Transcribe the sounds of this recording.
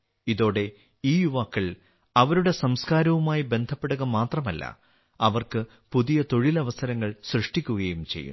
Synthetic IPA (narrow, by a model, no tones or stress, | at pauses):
iðo̞ːɽe̞ | iːjuʋaːkːɐɭ | ɐʋɐɾuɽe̞sɐmskaːɾɐʋumaːjibe̞nd̪ʱɐpːe̞ɽuɣɐmaːt̪rɐmɐlːɐ̰ | ɐʋɐrkɨ | puðijɐt̪o̞ɻilɐʋɐsɐɾɐŋːɐɭsrɨʂʈikʲːuɣɐjumt͡ɕejːṵ